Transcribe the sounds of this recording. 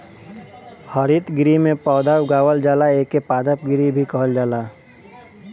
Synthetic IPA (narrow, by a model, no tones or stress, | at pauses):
həɾit̪ɡɪɾimẽpɔːd̪aːwɡaːwəld͡ʒaːlaeːkːepaːd̪əp̚ɡɪɾibʱikəɦəld͡ʒaːlaː